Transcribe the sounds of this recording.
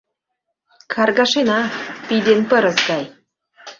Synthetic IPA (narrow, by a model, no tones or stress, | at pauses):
kʰɑrɡɑʃenɑpid̪enpə̆ɾɤ̆zɡɑj